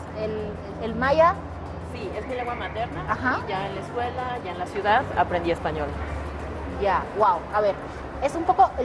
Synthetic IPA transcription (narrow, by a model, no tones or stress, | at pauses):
el | elmaja | siesmeleŋɡwamat̪eɾnaaxaʝaenleskwe̞laʝaenlasjuðaða̰pɾend̪ie̞spaɲo̞l | jawawaβeɾ | esumpo̞koʔe